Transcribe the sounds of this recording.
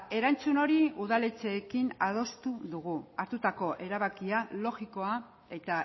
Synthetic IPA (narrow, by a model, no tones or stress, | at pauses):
e̞ɾant͡suno̞ɾiuðale̞t͡se̞ːkinað̞o̞st̪uðuɣ̞uaɾt̪ut̪ako̞ʔe̞ɾaβakialo̞ɣiko̞a | e̞t̪a